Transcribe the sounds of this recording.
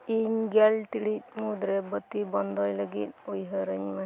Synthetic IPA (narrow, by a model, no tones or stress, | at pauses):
iɲɡɛlʈiɽit̪̚mud̪ɾɛbət̪ːibɔnd̪ʱɔjləɡit̪̚ojɦəɾəɲma